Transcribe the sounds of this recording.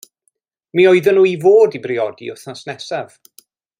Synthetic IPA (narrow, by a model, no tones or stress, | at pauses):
miɔɨðənuːivoːdibrɪɔdḭʊθnasnɛsav̥